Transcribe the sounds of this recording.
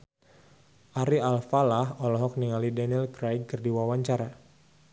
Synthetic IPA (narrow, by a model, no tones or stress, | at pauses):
ʔaɾialfalaɦɔlɔɦɔk̚niŋalidanilkɾajɡkərdiwawaɲt͡ʃaɾa